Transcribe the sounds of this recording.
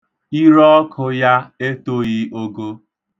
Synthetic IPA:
i˦ɾɔ˦kʰʊ˨ja˦e˦to˦ɣi˦o˦ɡo˦

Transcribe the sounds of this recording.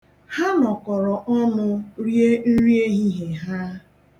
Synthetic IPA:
ha˦nɔ˨kɔ˨ɾɔ˨ʔɔ˦nʊ˦ɾje˦n̩˦ɾje˦ɦi˦ɦe˨ɦa˦

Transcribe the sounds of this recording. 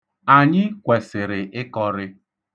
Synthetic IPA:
a˨ɲɪ˦kʷe˨sɪ˨ɾɪ˨ʔɪ˦kɔ˦ɾɪ˦

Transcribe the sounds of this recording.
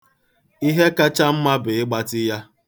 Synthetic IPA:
i˦ɦe˦ka˦t͡ʃa˦m̩˦ma˦bɪ˨ɪ˦ɡ͡ba˦tɪ˦ja˦

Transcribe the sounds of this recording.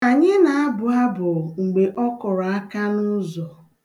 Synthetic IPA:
a˨ɲe˦na˨a˦bʊ˨a˦bʊ˨ŋ͡m̩˨ɡ͡be˨ʔɔ˦kɔ˨ɾa˦ka˦nʊ˦zɔ˨

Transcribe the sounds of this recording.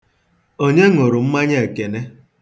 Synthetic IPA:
o˦ɲe˦ŋʊ˨ɾʊ˨m̩˦ma˦ɲe˦˨e˨ke˨ne˦

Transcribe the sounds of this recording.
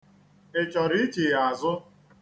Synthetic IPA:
e˨t͡ʃɔ˨ɾi˦t͡ʃi˨ɣa˨zʊ˦

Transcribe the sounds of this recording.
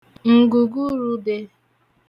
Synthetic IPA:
ŋ̩˨ɡu˨ɡu˦ɾu˦de˧

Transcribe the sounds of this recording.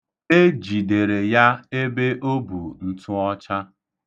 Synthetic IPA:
e˦d͡ʒi˨de˨ɾe˨ja˦e˦be˦ʔo˦bu˨n̩˨tʊ˦ɔ˦t͡ʃa˦

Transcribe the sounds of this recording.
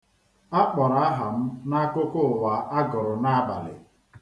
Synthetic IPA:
a˦k͡pɔ˨ɾa˦a˦ɦa˨m̩˦na˦ko˦ko˦˨wa˨ʔa˦ɡɔ˨ɾʊ˨na˦a˦ba̰˨lɪ̰˨

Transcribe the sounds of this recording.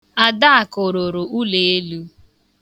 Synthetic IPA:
a˦˨da˦a˨kʊ˨ɾʊ˨ɾʊ˨u˦le˨e˦lu˦

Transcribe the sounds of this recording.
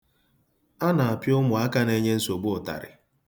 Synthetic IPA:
a˦na˨a˨pjʊ˦mʊ˨a˦ka˦ne˦ɲe˦n̩˦so˨ɡ͡bʊ˦ʊ˨ta̰˨ɾɪ̰˨

